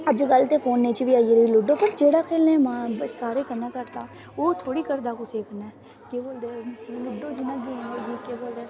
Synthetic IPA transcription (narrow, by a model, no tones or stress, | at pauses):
əd͡ʒɡəlt̪eːpʰoːnːeːt͡ʃʋiːaːieɾilʊɖoːpəɾd͡ʒeːɽaːkʰeːlnẽmãːsaːɾeːkənːaːkəɾt̪aː | oːt̪ʰoːɽiːkəɾd̪aːkoseːkʰənɛː | keːboːld̪ɛːlʊɖõːd͡ʒinãɡẽɔːɾd͡ʒiːkeːboːld̪ɛː